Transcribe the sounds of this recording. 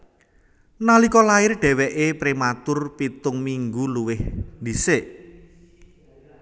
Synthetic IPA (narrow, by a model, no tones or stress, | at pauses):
nalikɔlaɪrɖ̥ɛ̤wɛʔepɾimat̪ʊrpit̪ʊŋmiŋɡuluwɪhd̪iseʔ